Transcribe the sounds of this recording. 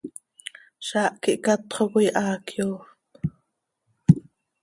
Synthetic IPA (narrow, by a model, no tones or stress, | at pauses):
ʃɑːʔkiʔkɑt̪χokʷijʔɑːkjoː